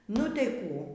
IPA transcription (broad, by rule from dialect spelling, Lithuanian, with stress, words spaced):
nʊ tʲɛɪ ˈkuː